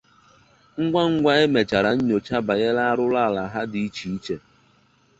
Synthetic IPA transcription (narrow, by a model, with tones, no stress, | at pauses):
ŋ̩˦ɡʷa˦ŋ̩˦ɡʷa˦e˦me˨t͡ʃa˨ɾa˨ɲ̩˦ɲo˨t͡ʃa˦ba˨ɣe˦la˦ɾʊ˦la˦˨la˨ɦa˦di˨i˦t͡ʃi˨i˦t͡ʃe˨